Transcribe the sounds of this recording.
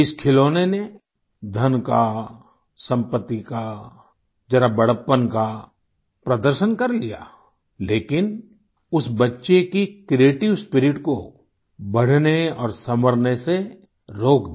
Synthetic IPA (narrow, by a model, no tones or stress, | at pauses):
ɪskʰɪloːnene | d̪ʱɐnka | sə̃mpət̪ːika | d͡ʒɐɾabɐɽ̤əpːənka | pɾɐd̪əɾʃənkɐɾlija̰ː | leːkɪn | ʊsbɐtːʃekikɾieːʈɪʋspɪɾɪʈko | bɐɽ̤neɔːɾsɐməɾnese | ɾoːkd̪